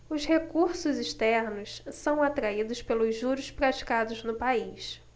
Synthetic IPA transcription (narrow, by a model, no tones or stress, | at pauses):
ʊʃhekuɾsʊziʃt̪ɛɾnʊssɐ̃w̃at̪ɾaid̪ʊspelʊzʒuɾʊspɾat͡ʃi̥kad̪ʊznʊpais